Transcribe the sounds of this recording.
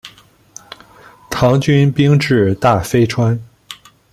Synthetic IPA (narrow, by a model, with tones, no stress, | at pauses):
t̪ʰɑ˧˥ŋt͡ɕy˥npi˥ŋʈ͡ʂɻ̩˥˩t̪a˥˩fe˥ɪʈ͡ʂʰwa˥n